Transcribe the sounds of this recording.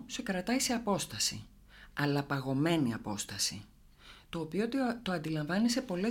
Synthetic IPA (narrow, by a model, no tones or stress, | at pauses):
se̞kɾɐt̪ɐise̞ɐpo̞st̪ɐsi | ɐlɐpɐɣo̞me̞niɐ̰po̞st̪ɐsḭ | t̪o̞ːpio̞t̪oɐnd̪ilɐɱvɐnese̞po̞le̞